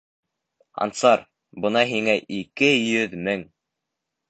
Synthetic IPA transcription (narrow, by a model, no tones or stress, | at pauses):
ɑ̰nt̪sɑɾ | bɤ̆nɑɦiŋæʔikɘjɵðmɘŋ